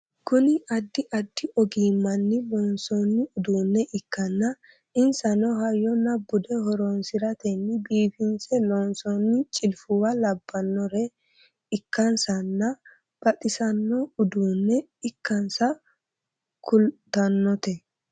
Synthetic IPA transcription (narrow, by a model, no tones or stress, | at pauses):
kʊnɪʔɐd̪ːɪʔɐd̪ːɪʔɔɡiːmːɐnːɪlɔnsɔnːɪʊd̪uːnːɛʔɪkːɐnːɐ | ɪnsɐnɔɦɐjɔnɐbːʊd̪ɛhɔɾoːnsɪɾɐt̪ɛnːɪbiːfɪnsɛlɔnsɔnːɪt͡ʃʼɪlfʊwɐlɐbːɐnːɔɾɛ | ɪkːɐnsɐnːɐ | b̥ɐt̪ʼɪsɐnːɔʊd̪uːnːɛ | ɪkːɐnsɐ | kʰʊlt̪ːɐnːɔt̪ɛ